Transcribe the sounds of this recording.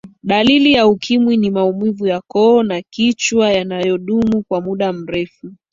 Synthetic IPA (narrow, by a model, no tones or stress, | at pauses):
ɗalilijaukʰimwinimaumivujakɔːnakit͡ʃwajanajɔɗumukwamuɗam̩ɾɛfu